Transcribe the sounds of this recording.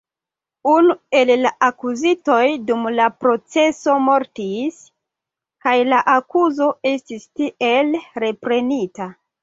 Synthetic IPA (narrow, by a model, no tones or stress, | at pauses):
unue̞llaʔakuzito̞jdumlapɾo̞t͡se̞so̞mo̞ɾtis | kajlaʔakuzo̞e̞stistiʔe̞lɾe̞pɾe̞nita